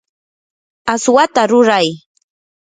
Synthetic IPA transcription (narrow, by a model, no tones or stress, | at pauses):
aswat̪aɾʊɾaj